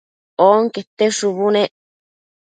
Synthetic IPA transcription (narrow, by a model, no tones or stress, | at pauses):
oːŋket̪ːeʂuβuneʔ